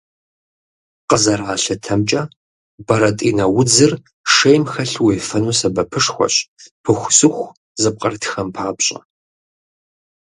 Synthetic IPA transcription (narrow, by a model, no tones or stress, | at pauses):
qəzɐraːɬɐtʰɐmt͡ʃʼɐ | bɐɾɐtʼiːnɐwʊd͡zɨr | ʂejmxɐɬweːfɐnuːsɐbɐpʰɨʂxʷɔ̰ɕʼpʰɨxʷsɨxʷ | zɨp̚qʼɐrtʰxɐmpʰaːpɕʼɐ̰